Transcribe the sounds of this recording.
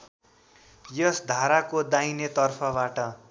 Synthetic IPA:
jʌsd̪ʱaɾakod̪ainet̪ʌrpʰʌbaʈʌ

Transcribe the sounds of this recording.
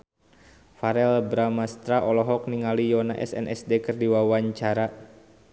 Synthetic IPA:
faɾɛlbɾamast̪ɾaʔɔlɔɦɔk̚niŋalijɔnaʔɛ̰sɛ̰nʔɛ̰sdekərdiwawaɲt͡ʃaɾa

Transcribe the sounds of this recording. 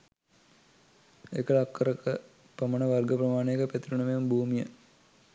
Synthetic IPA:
ḛkːəɭakːəɾəkə | pɐmɐnəʋɐrɡəprɐmaːɳejekəpet̪iɾuɳɐʋejumbʱuːmijə̰

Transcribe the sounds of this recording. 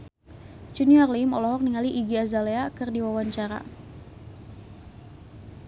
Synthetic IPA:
d͡ʒuniɔrlimɔlɔɦɔk̚niŋaliʔiɡiazaleakɨrdiwawaɲt͡ʃaɾa̰

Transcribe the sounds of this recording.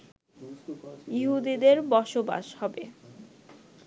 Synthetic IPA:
jiɦud̪id̪eɾbɔʃoba̰ʃhɔbe

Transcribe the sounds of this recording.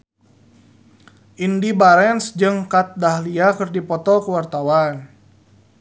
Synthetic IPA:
ʔindibaɾɛnsd͡ʒɨŋkat̪̚dahliakərdipɔt̪ɔlkəwart̪awan

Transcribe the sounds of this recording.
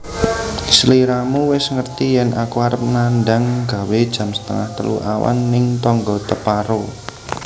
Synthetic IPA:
sliɾamuwɪsŋərt̪ijɛnʔakuaɾəp̚nanɖaŋɡa̤wed̥ʒ̥a̤msə̥t̪ə̰ŋaht̪ə̰lṵʔawa̰nːɪŋt̪ɔŋɡɔt̪əpaɾo

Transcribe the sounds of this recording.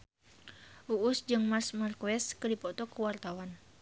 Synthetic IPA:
ʔuʔːsd͡ʒɨŋmarsmarkuɛskɨdipɔt̪ɔkəwart̪awan

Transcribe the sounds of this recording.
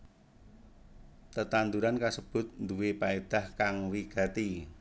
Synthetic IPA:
t̪ət̪and̪uɾankasəb̥ʊ̤t̪̚nd̪uwepaed̪̥a̤hkaŋwiɡ̥a̤t̪i

